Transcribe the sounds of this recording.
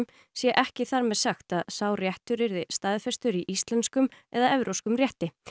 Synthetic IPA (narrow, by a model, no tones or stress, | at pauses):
m | sjɛʔɛhcɪθaɾmɛðsaxt̪aðsaːwrjɛht̪ʏɾɪɾðɪst̪aːðfɛst̪ʏɾiʔist̪lɛnt̪skʏmɛðaɛvɾʔowskʏmrjɛht̪ɪ